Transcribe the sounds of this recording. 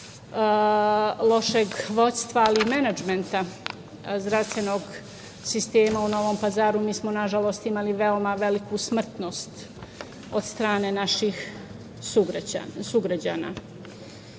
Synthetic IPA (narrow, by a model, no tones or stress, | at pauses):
lˠo̞ʃe̞ɡʋo̞t̪st̪ʋaːliːmenad͡ʒme̞nt̪a | zɾaʋst̪ʋeno̞ːɡ | sist̪eːmauno̞ʋoːmpazaːɾumiːsmonaʒalˠo̞st̪imaliʋe̞omaʋe̞likusmr̩t̪no̞st̪ | od̪st̪ɾaːne̞naʃix | suɡasuɡɾad͡ʑa̰ːna̰